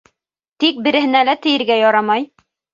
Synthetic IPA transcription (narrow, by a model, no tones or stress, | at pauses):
t̪ik̚bɘ̆ɾɘ̆ɦɘ̆nælæt̪ɘ̆jɘ̆ɾɡæjɒɾɑmɑj